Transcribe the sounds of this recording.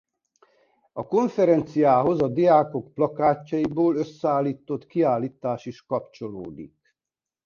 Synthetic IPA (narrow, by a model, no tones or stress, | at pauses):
ɒko̞ɱfɛɾɛnt̪sijaːɦo̞zɒd̪iaːko̞kplɒkaːcːɒjiboːløsːɛaːlːiːt̪o̞t̪kiaːlːiːt̪aːʃiʃkɒpt͡ʃo̞lo̰ːd̪ḭk